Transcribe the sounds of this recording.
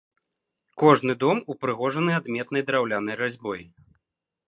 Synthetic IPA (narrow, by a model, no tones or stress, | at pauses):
kɔʐnɨd̪ɔmupɾɨɣɔʐɐnɨad̪mʲɛt̪nɐjd̪ɾawlʲanɐjɾazʲbɔj